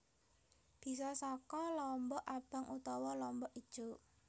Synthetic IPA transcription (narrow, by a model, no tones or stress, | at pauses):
b̥i̤sɔsɔkɔlɔmbɔʔab̥a̤ŋut̪ɔwɔlɔmbɔʔid̥ʒ̥o̤